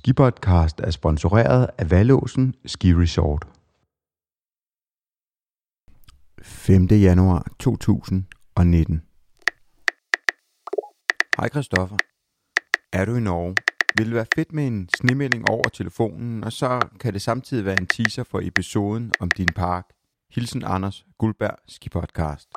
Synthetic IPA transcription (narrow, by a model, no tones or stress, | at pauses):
sɡ̥ipʰɒd̥̚kʰɑ̈ːsd̥æɐsb̥ɒ̽nso̝ʁɛ̰ːɐð̞̩ˠæʋælɔ̰ːsn̩sɡ̥iʁisɒːd̥ | femd̥əjænuɑ̰̈ːt͡sʰo̝̰ːt͡sʰṵːsn̩ | ɒ̽ne̝d̥n̩ | hɑ̈ɪ̰kʰʁisd̥ɒ̽fɐ | æɐɾuinɒʊʋe̝lʋæːɐfe̝d̥̚mee̝nsne̝mel̰e̝ŋʔɒʊ̰ɐt͡sʰe̝ləfo̝̰ːnn̩ɒ̽sɒ̽kʰæd̥e̝sɑ̈mt͡sʰið̰ˠiʋæːɐe̝nt͡sʰiːsɐfɒ̽ʔe̝piso̝ːð̞ˠn̩ɒ̽md̥inpʰɑ̈ːɡ̥ | hilsn̩ɑ̈nɐsɡ̥ulb̥æɐ̰sɡ̥ipʰɒd̥̚kʰɑ̰̈ːsd̥